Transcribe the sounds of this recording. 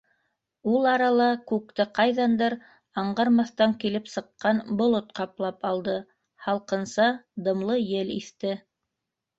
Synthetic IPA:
ulˠɑɾɑlˠɑkʉk̚t̪ɘqɑjðɑnd̪ɤɾ | ɑɴɢɑɾmɑθt̪ɑŋkilɘpsɤ̆qːɑnbŏlˠot̪qɑplˠɑpɑlˠd̪ɤ | hɑlˠqɤ̆nsɑd̪ɤ̆mlˠɤjɘliθt̪ɘ

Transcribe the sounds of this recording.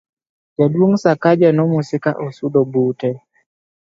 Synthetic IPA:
d͡ʒadwoŋsakad͡ʒanɔmusɪka̰ʔɔsudɔbutɛ

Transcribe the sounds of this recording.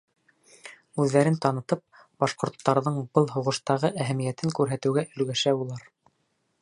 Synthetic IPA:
ʉðːæɾɘnt̪ɑnɤ̆t̪ɤp̚ | b̥ɑʃqŏɾt̪ːɑɾðɤɴbɤlˠɦuʁɤ̆ʃt̪ɑʁɤʔæɦæmijæt̪ɘŋkʉɾɦæt̪ɘ̆wɡæʔɵ̆lɡæʃæbulˠɑɾ

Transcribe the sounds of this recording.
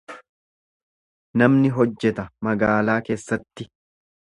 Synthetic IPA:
nɐmnɪɦɔd͡ʒːɛt̪ɐmɐɡaːlaːke̞ːsːɐt̪ːɪ

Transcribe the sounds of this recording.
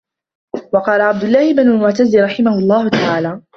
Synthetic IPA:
wɑqɑːlaʕab̚d̪ʊlːɑːhɪbɪnʊlmʊʕt̪azːiɾˤɑħɪmahʊlˤːɑːhʊt̪aʕaːlaː

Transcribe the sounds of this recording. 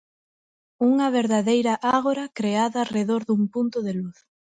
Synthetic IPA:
uŋɐβeɾðaðejɾɐʔaɣoɾɐkɾeaðɐːreðoɾðuŋpunt̪ʊðeluθ

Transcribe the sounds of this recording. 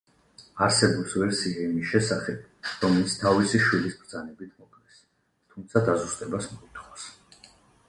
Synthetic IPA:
aɾsɛbupsvɛɾsiaimisʃɛsaχɛb̚ɾɔmɛlit̪sʰt̪ʰavisiʃwilisbɾd̪zanɛbit̪ʰmɔkʰʼnɛs | t̪ʰumt̪sʰad̪azust̪ʼɛbasmɔit̪ʰχɔs

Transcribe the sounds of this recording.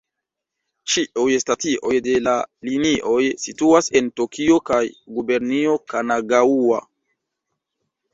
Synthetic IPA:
t͡ʃiʔujestatiʔo̞jde̞laliniʔo̞jsituase̞ntokʰio̞kajɡube̞ɾnio̞kanaɡaua̰

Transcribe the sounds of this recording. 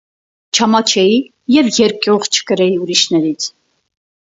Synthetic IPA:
t͡ʃʰɑmɑt͡ʃʰɛji | jɛvjɛɾkuʁt͡ʃʰə̥kəɾɛjiuɾiʃnɛɾit͡sʰ

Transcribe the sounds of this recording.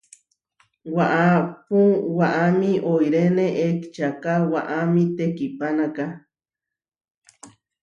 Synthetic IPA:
waʔapũwaʔamĩʔojɾeneʔekt͡ʃakawaʔamĩt̪ekipanaka

